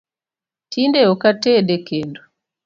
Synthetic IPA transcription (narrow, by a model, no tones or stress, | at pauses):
tindɛɔkatɛɗɛkɛndu